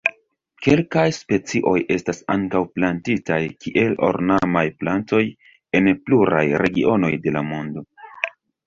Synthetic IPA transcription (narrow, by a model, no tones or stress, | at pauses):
ke̞lkajspe̞t͡siʔo̞jʔe̞stasa̰ŋkawplantitajkʰiʔe̞lo̞̰ɾnamajplanto̞j | e̞npluɾa̰jɾe̞ɡiʔo̞no̞jde̞lamo̞ndo̞